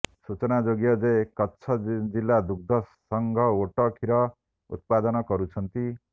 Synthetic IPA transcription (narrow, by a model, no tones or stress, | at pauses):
sut͡sʌnad͡zoɡjʌd͡zekʌtːsʰʌd͡zilːad̪uk̚d̪ʱʌ | ʌŋɡʱʌoʈʌkʰiɾʌ | ṵt̪̚pad̪ʌnʌkʌɾut͡sʰʌnt̪i